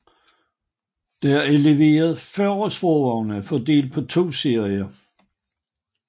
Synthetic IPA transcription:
d̥ææɐeleʋe̝̰ːɐð̞̩ˠfɶɐɐsb̥ɔːɒʊnæfɒde̝̰ːld̥̚pʰɒ̽t͡sʰo̝̰ːse̝ɐ̰iɐ

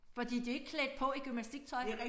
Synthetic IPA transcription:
fɒ̽d̥ḭːd̥ie̝ɡ̥kʰled̥̚pʰɒ̽iɡ̥ymnæsd̥iɡ̥̚t͡sʰɒ̽ɪ

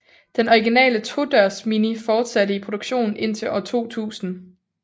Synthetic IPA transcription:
d̥enɒiɡinɛ̰ːlət͡sʰo̝d̥ɶɐsminifɒːd̥sæɾ̥əipʰʁo̝d̥oɡ̥ɕo̝̰ːn̩e̝n̰t͡sʰe̝lɒt͡sʰo̝̰ːt͡sʰṵːsn̩

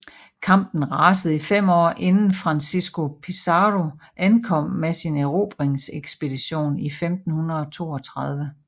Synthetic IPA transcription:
kʰɑ̈m̰b̥n̩ʁɑsəð̩ˠifem̰ɒ̰ːʔe̝nn̩fʁɑ̈nsisɡ̥o̝pʰisɑʁo̝ʔænkʰɒ̽m̰mesineʁo̝ːb̥ʁeŋseɡ̥sb̥e̝d̥iɕo̝̰ːnifemd̥n̩hunɐð̩ˠɒ̽t͡sʰo̝̰ːɒ̽t͡sʰʁɑ̈ð̞ˠʋə

